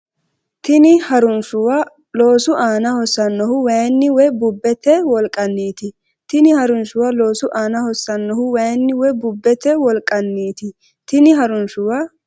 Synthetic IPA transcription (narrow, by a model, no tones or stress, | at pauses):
t̪ɪnɪhɐɾʊnʃʊwɐ | lo̞ːsʊʔaːnɐhɔsːɐnːɔhʊwɐjnːɪwɛbʊbːɛt̪ɛwɔlkʼːɐnːiːt̪ɪ | t̪ɪnɪhɐɾʊnʃʊwɐloːsʊʔaːnɐhɔsːɐnːɔɦʊwɐjnːɪwɛbʊbːɛt̪ɛwɔlkʼːɐnːiːt̪ɪ | t̪ɪnɪɦɐɾʊnʃʊwa